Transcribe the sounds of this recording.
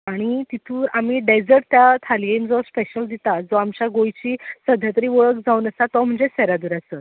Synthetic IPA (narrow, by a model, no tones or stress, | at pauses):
aɽ̃it̪it̪ʰuːʔamiːɖed͡zəɾʈ̚t̪jat̪ʰalijemd͡zɔspeɕəld̪it̪ad͡zɔamt͡ɕaɡojt͡ɕiːsəd̪ʱjat̪əɾiːʋəɭəkd͡zauːnəsat̪ɔm̤əɳd͡zesɛɾad̪uːɾasə